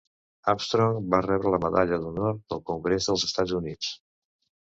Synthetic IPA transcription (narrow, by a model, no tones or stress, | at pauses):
apst̪ɾoŋbarɛβɾələməðaʎəðunɔɾt̪̚d̪əlˠkuŋɡɾezðəlˠzəst̪ad͡zunit͡s